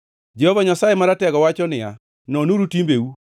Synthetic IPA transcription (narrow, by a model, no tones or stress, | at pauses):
d͡ʒehovaɲasajemaɾatɛɡɔwat͡ʃɔnɪa | nɔnuɾutimbeu